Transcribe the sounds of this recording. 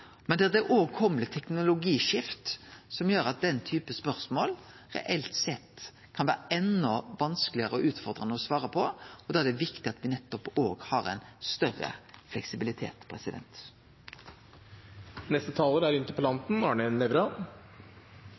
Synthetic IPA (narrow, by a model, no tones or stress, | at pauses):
mɛnd̪ɛʁd̪ɛʔoːkʰɔmlət̪ʰɛknʊlʊɡiːʃɪft̪sɔmjøːɾɑt̪̚d̪ɛnːt̪ʰyːpəspœɾsmoːl | ʁɛ̰ʔɛlt̪sɛt̪ː | kʰɑnʋæ̰ːɾəʔɛnːɔʋɑnsklɪəɾəɔʔʉːt̪fɔʁd̪ʁənəɔsʋɑːɾəpʰɔɔd̪oːæd̪ɛʋɪkt̪ɪɑt̪ʋɪnɛt̪ːɔpoːɡhɑɾɛ̰ɪnst̪œrə̰flɛksɪbɪlɪt̪ʰḛːt̪pʰɾɛsɪd̪ɛ̰nt̪ | nɛst̪ət̪ʰɑːləɾæɾʏnt̪ɪpʰɔlɑnt̪n̩ɑːɳənɛʋɾɑ